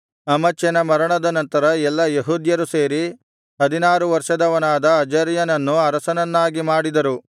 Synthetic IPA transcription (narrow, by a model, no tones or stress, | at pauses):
ɐmɐt͡ʃjɐnɐmɐɾɐɳɐd̪ɐnɐnt̪ɐɾɐɛlːɐjɐɦuːd̪jɐɾuseːɾi | ɦɐd̪inaːɾuʋɐɾʂɐd̪ɐʋɐnaːd̪ɐːd͡ʒɐɾjɐnɐnːuɐɾɐsɐnɐnːaːɡimaːɽid̪ɐɾu